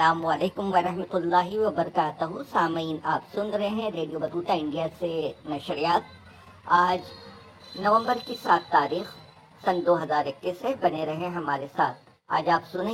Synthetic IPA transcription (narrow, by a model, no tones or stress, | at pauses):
laːmʋaleːkʊmʋɐɾɐɦmɐt̪ʊlːaːɦiʋɐbɐɾɐkaːt̪ɐɦũsaːmiːnaːpsʊnɾɐɦeɦɛ̃ɾeːɖijobɐt̪uːt̪aɪ̃ɳɖijasenɐʃɾijaːt̪̚ | aːd͡ʒ | nɐʋə̃mbəɾkisaːt̪ːaːɾiːx | sɐnd̪oːɦɐzaːɾɪkːisːebɐneɾɐɦẽɦɐmaːɾesaːt̪̚ʰ | a̰ːd͡ʒaːpsʊnẽ